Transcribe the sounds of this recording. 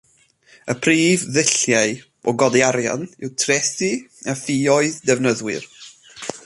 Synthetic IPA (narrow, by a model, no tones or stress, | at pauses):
əpʰriːvðɪɬjaɨ | ɔɡɔdiaɾja̰nɪwtʰrɛsiafiːɔɨðdɛvnəðwɪ̰r